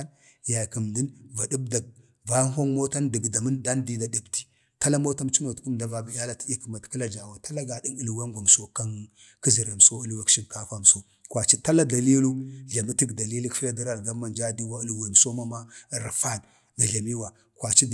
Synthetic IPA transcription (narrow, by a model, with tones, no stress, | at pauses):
ja˨ki˨mdi˦nva˨di˦b̚da˨ɡ̚ | va˦ɦo˦ŋmo˦ta˦ndi˨bda˨mə˦nda˦ndi˦da˨di˨bti̥˨ | ta˦la˦mo˦ta˦mt͡ʃi˦no˨tku˦mda˨va˨bi˨ja˦la˦ti˦i˦kə˨ma˨tki˦la˨d͡ʒa˨wa˨ta˦la˦ɡa˨di˦nu˦lu˨wa˦ɡʷa˨m˨so˦ka˦n | ki˦zi˨ɾa˨m˨so˦u˦lwa˨kʃi˦mka˦fa˦˨m˨so˦ | kwa˨t͡ʃi˦ta˦la˦da˨li˦lu˦ɮa˨mi˦ti˦ɡda˨li˦li˦kfi˦la˦di˦ɾa˨lɡa˦ma˨nd͡ʒa˦di˦wa˦u˦lu˦wa˨m˨so˦ma˦ma˦˨ɾa˨fa˦n | ɡa˨ɮa˨mi˦wa˨ | kwa˨t͡ʃi˦˨